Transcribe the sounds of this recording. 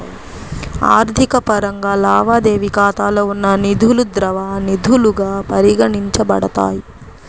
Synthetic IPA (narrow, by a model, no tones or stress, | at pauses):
a̰ːɾd̪ʱikɐpɐɾɐŋɡaːlaːʋaːd̪eːʋikaːt̪aːloːunːɐnid̪ʱulud̪ɾɐʋaːnid̪ʱuluɡaːpɐɾiɡɐɳiɲt͡ʃɐbɐɽɐt̪a̰ːji